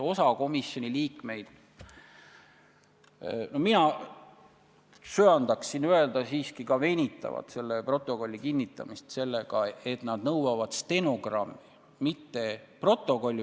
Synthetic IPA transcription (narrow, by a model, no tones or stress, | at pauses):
o̞sɑko̞misjo̞nʲiliːkme̞jd̪̥ | nominɑ | syɑnd̪̥ɑksinye̞ld̪ɑsiːskikɑve̞nʲit̪ˑːɑ̰vɑ̰t̪se̞lːepro̞t̪ˑːo̞ko̞lʲːikinʲːit̪ːˑɑ̰mist̪se̞lːe̞ɡ̥ɑe̞t̪nɑd̪̥nɤwwɑvɑd̪̥st̪e̞noɡrɑmːiː | it̪ːe̞pro̞t̪ːˑo̞ko̞lʲː